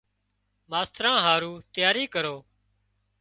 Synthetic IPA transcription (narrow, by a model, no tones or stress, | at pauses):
maːst̪ɾãːɦaːɾuːt̪ɪjaːɾiːkəɾoː